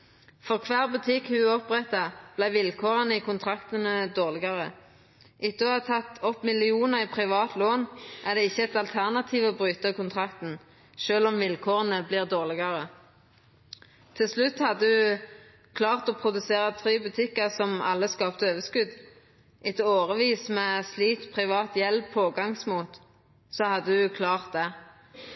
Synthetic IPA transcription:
fɔʁkʰʋæːʁbʉt̪ʰɪkhʉɔpʁɛt̪ːɑb̥læɪʋɪlkʰoːʁənəikʰʊnt̪ʰʁɑkt̪ənəd̪oːʁlɪɡɑʁə | ʔɪt̪ːɔɑt̪ʰɑt̪ɔpːmɪlɪuːnəʁiːpʰʁɪʋɑːt̪loːnʔæʁd̪ɛɪçːəɛt̪ɑlt̪ʰæʁnɑt̪ʰiːʋɔːbʁyːt̪əkʰʊnt̪ʰʁɑkt̪n̩ | ʃøːlɔmʋɪlkʰoːʁənəbliːʁd̪oːʁlɪɡɑʁə | t̪ʰɪlslʉt̪ːhɑd̪ːəd̪ʉ | kʰlɑːʁt̪ɔpʰʁʊd̪ʉseːʁət̪ʰʁyːbʉt̪ʰɪkːəsɔmɑ̰lːəskɑːpt̪əøːʋəskʉd̪ | ʔɛt̪oːʁəʋiːsmɛsliːt̪pʰʁɪʋɑːt̪jɛlbpʰoːɡɑŋsmuːt̪ | sɔhɑd̪ːəd̪ʉkʰlɑːʁt̪̚d̪ɛ

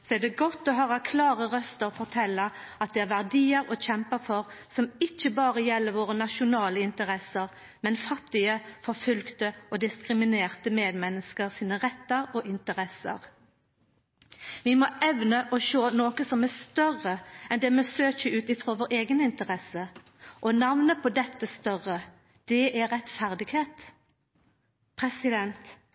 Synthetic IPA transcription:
sɔɛd̪ɛɡɔt̪ːɔɦøːʁɑkʰlɑːʁəʁœst̪əʁɔfɔʁt̪ʰɛlːəɑt̪̚d̪ɛæʁʋæʁd̪iːəɾɔçɛmpəɾfɔʁsɔmɪçːəbɑːʁəjɛlːəɾʋoːʁənɑʃʊnɑːləɪnt̪əʁɛsəʁ | mɛnfɑt̪ːɪəfɔʁfʉlkt̪əʔɔd̪ɪskʁɪmɪneːʁt̪əmeːd̪mɛnːəskəʁsiːnəʁɛt̪ːəɾɔʔɪnt̪əʁɛsə̰ʁ | ʋɪmɔʔɛʋnəʔɔʃøːnoːkəsɔmæst̪œʁəɛnd̪ɛmɛsøːçəʉːt̪ɪfɾoːʋoːʁeːɡənɪnt̪əʁɛsə | ʔɔnɑʋnəpʰɔd̪ɛt̪ːəst̪œʁə | d̪̥ɛʔæʁɛt̪fæʁd̪ɪɡheːt̪ | pʰʁɛsɪd̪ɛnt̪

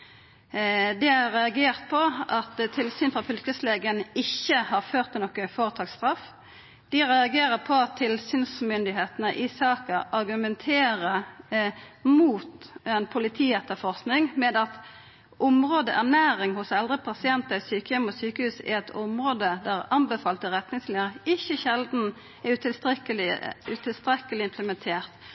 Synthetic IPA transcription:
d̪ɛæʁɛɑɡeːʁt̪̚pʰɔʔɑt̪t̪ʰɪlsyːnfɾɑfʏlkəsleːɡənɪçːəhɑʁføːʁt̪ɪɔkːəfoːʁət̪ʰɑːkst̪ʁɑf | d̪̥ɪʁɛɑɡeːɾəpʰɔɑt̪ʰːɪlsyːnsmʏnd̪ɪɦeːt̪ənəʔɪsɑːkəɑɾɡʉmɛnt̪ʰeːɾə | muːt̪ɛnpʰʊlɪt̪ʰiːɛt̪ːəfɔʁsknɪŋmɛd̪ɑt̪ | ʔʊmʁoːd̪əʔæʁnæːɾɪŋhʊsɛld̪ʁəpʰɑsɪɛnt̪əɾɪsyːkəjɛmɔsyːkəhʉːsɛ̰ɛt̪ʰʊmʁoːd̪əd̪æʁɑnbəfɑːlt̪əʁɛt̪nɪŋslɛəɾɪçːəçɛld̪n̩ | ɛʉt̪ɪləʉt̪ʰɪlst̪ɾɛkːəlɪɪmpʰləmɛnt̪ʰeːʁt̪

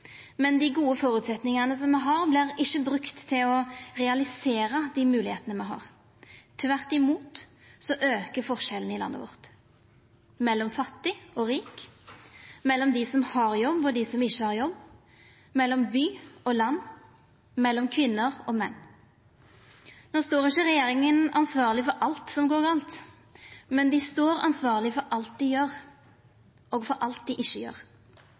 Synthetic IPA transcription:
mɛnd̪iɡuːəfɔːɾʉːt̪sɛt̪nɪŋɑnəsɔmːɛɦɑʁblɪʁɪʃːəbɾʉkt̪ʰːɪlɔʁɛɑlɪseːɾəd̪iːmʉːlɪheːt̪ənəmɛɦɑ̰ːʁ | t̪ʰʋæʁt̪ɪmuːt̪ | sɔʔøːkəfɔʁʃɛlən̩ɪlɑ̰nːəʋɔ̰ʁt̪ | mɛlːɔmfɑt̪ːɪɔʁiːk | mɛlːɔmd̪ɪsɔmhɑʁjɔbːɔd̪ɪːsɔmɪçːəhɑʁjɔbː | mɛlːɔmbyːɔlɑnː | mɛlːɔmkʰʋɪnːəʁɔːmɛnː | noːst̪oːɾɪçəɾɛjeːɾɪŋənɑ̰nsʋɑːʁlɪfɔɾʔɑlt̪sɔmɡoːɾɡɑːlt̪ | mɛnd̪ɪst̪oːɾɑ̰nsʋɑːʁlɪfɔɾʔɑlt̪̚d̪ɪjøːɾ | ɔːɡfɔɾʔɑlt̪̚d̪ɪʔɪʃːəjø̰ːʁ

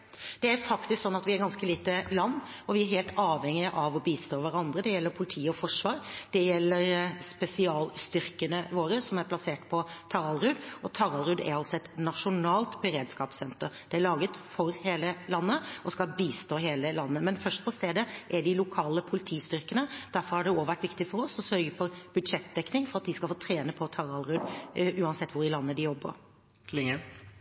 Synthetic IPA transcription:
d̪̥ɛæɾfɑkt̪ɪsksɔnːɑt̪ʋɪæɾɡɑnskəliːt̪əlɑnː | ɔʋɪæɾɦeːlt̪ɑːʋhɛŋːɪəʔɑʋɔbiːst̪oːʋæɾɑnd̪ɾəd̪ɛjɛlːəɾpʰʊlɪt̪ʰiːɔfɔʂʋɑːɾd̪̥ɛjɛlːəɾspɛsɪɑːlst̪ʏɾkənəʋoːɾəsɔmæɾpʰlɑseːʈpʰɔt̪ʰɑɾɑlɾʉːd̪ɔt̪ʰɑɾɑlɾʉd̪æ̰ɾɑlsɔɛt̪nɑʂʊnɑːlt̪bəɾeːd̪skɑːpsɛnt̪əɾd̪̥ɛæɭɑːɡət̪fɔɾheːləlɑnːəɔskɑlbiːst̪oːɦeːləlɑnːəmɛnfœʂʈ̚pʰɔst̪eːd̪əʔæɖɪlʊkʰɑːləpʰʊlɪt̪ʰiːst̪ʏɾkənəd̪̥æɾfɔɾhɑɖɛoːʋæʈːʋɪkt̪ɪfɔɾɔsɔsœɾɡəfɔɾb̥ʉd̪ʂɛt̪̚d̪ɛknɪŋfɔɾɑt̪̚d̪ɪskɑlfoːt̪ʰɾeːnəpʰɔt̪ʰɑɾɑlɾʉːd̪ʉːɑnsɛt̪ːʋʊɾɪlɑnːəd̪ɪjɔbːə̰ɾ

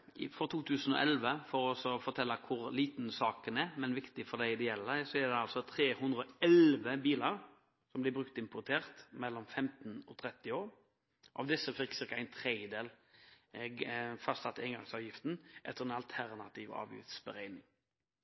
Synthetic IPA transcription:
fɔɾt̪ʰuːt̪ʰʉːsənɔ̰ʔɛlʋəfɔɾɔɔsɔfɔɾt̪ʰɛlːɑkʰʊɾliːt̪n̩sɑːkənæɾmɛnʋɪkt̪ɪfɔd̪æɪɪd̪ɛɛlːəsɔɛd̪ɛɑlsɔt̪ʰɾeːhʉnd̪ʁɾɔɛlʋəbiːlɑɾ | sɔmblɪbɾʁʉkt̪ɪmpʊt̪ʰeːʁt̪mɛlːɔmfɛmt̪nɔ̰t̪ʰɾɛt̪ːɪoːɾ | ʔɑ̰ʋd̪ɪsːəfɪkːsɪkət̪æɪnt̪ʰɾed̪jəd̪eːl | fɑst̪ɑt̪ːɛɪŋɡɑ̰ŋsɑːʋjɪft̪n̩ʔɛt̪əʁɛnɑlt̪ʰæɾnɑt̪ʰiːʋɑ̰ːʋjɪ̰ft̪sbəɾæɪnɪŋ

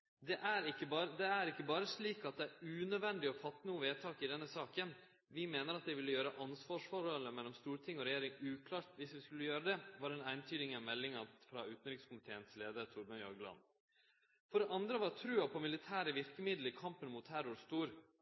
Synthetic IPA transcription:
d̪ɛʔæɾɪkːəbɑɾəd̪ɛæɾɪkːəbɑːɾəʂɭiːkɑt̪̚d̪ɛæɾʉːnœd̪ʋɛnd̪ɪɔfɑt̪ːnuːəʋeːt̪ʰɑːkɪd̪ɛnːəsɑːkən | ʋɪmeːnəɾɑt̪̚d̪ɛɪʋɪlːəjøːɾəʔɑnsʋɑːʂfɔɾhɔlːəmɛlːɔmst̪uːɾʈʰɪŋːɔɾɛjeːɾɪŋʉːkʰlɑːɾt̪ʋɪsʋɪskʉlːəjøːɾəd̪ɛʋɑɾɛnæɪnt̪ʰyːd̪ɪŋɑmɛlːɪŋɑfɾɑ̰ːʉːt̪n̩ɾɪkskʊmɪt̪ʰeːənsleːd̪əɾt̪ʰʊɾmɑnɔɾɡlɑ̰n | fɔɖɛʔɑnd̪ɾəʋɑɾt̪ʰɾʉːɑpʰɔmɪlɪt̪ʰæːɾəʋɪɾkəmɪd̪ləɾkʰɑmpənmuːt̪ʰhʰæɾʊɾst̪uːɾ

